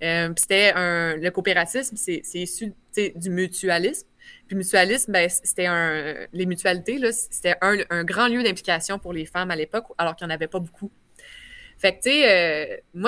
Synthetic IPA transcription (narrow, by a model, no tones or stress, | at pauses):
œpi̥se̥t̪ɛə̃ləkopeʁat͡sɪsmsesɛisy | t͡sed̪ymyt͡syalɪsm | pimyt͡sɥalɪsmbɛ̃sse̥t̪ɛə̃lemyt͡sɥalit̪elʌse̥t̪ɛʔə̃ə̃ɡʁɑ̃ljød̪ɛ̃plʲi̥kʲasjɔ̃pʊʁlefamalepɔkalɔːʁkjɑ̃ːnavɛpʌbukʰu | fak̚t̪seømwa